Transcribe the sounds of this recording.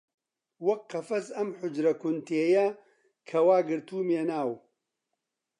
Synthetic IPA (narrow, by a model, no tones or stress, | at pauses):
wɐkqːɐfɐzɐmħʊd͡ʒɾɐkʊnt̪eːjɐ | kʰɐwaːɡɨɾt̪uːmeːnaːw